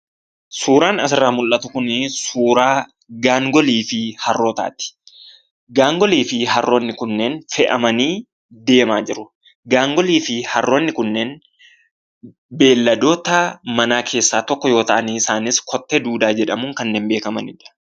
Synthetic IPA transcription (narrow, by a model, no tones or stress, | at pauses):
suːɾaːnɐs̬ɪrːaːmʊlʔɐt̪ʊkʊnɪsuːɾaː | ɡaːŋɡɔliːfɪhɐrːo̞ːt̪a̰ːt̪ɪ̥ | ɡaːŋɡɔliːfɪɦɐrːʔo̞ːnːɪkʊnːɛnfɛʔɐmɐniː | d̪e̞ːmaːd͡ʒɪɾʊ | ɡaːŋɡɔliːfɪhɐrːo̞ːnːɪkʊnːɛn | be̞ːlːɐd̪o̞ːt̪ɐmɐnaːkʰe̞ːsːaːt̪ɔkːɔjo̞ːt̪ɐʔɐniːɪsaːnɪskʰɔt̪ːeːd̪uːd̪aːd͡ʒɛᶑɐmʊŋkɐnːeːnbe̞ːkɐmɐnɪᶑɐ̥